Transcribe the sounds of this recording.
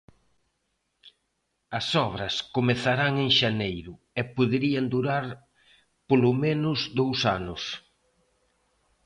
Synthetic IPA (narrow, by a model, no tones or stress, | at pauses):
ɐsɔβɾɐskomeθaɾaŋeŋʃanejɾʊ | ɛpoðeɾiɐnd̪uɾaɾ | polomenʊzðowsanʊs